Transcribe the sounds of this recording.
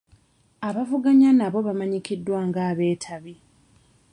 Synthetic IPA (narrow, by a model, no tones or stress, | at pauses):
aβavuɡaɲanaβo̞βamaɲikidːwaːŋɡaːβe̞ːtʰaβi